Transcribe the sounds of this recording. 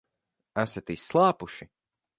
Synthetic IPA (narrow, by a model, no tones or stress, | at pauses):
æsat̪isːlˠɑːpuʃi